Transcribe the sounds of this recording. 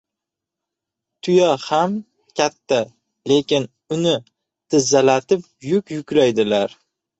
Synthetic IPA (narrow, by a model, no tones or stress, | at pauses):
t̪ʰʊjɒham | kʲat̪ʰːa | le̞kʲɪn | ʊnɪ | t̪ʰɪzːalat̪ɪp̚ | jʊkʲjʊkʲlajd̪ɪlaɾ